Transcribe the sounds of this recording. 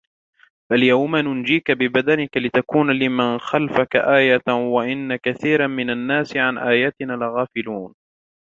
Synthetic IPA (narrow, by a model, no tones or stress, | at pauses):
baljawmanʊnd͡ʒiːkabɪbad̪anɪkalɪt̪akuːnalɪmanxalfakaʔaːjawaʔɪnːakaθiːɾamɪnanːaːsɪʕanʔaːjaːt̪ɪnaːlɪɣaːfɪluːn